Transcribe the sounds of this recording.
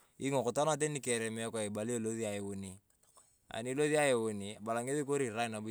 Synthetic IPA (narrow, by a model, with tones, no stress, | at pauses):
i˦ŋɔ˨kʊ˨ta˦na˦t̬e˦ni˦kɛ˨ɾɛ˨mɪ˦ɔ˦kɔ˨e˨ba˨li˦o˦˨lo˦ði˦a˨e˨wo˦ni˨ | a̰˨ni˦lo˦ði˦a˦je˨wo˨ni˨a˨ba˨la˨ŋe˦ði˦k̬o˦ɾi˨ɾa˦ɪ˨na˨bu˦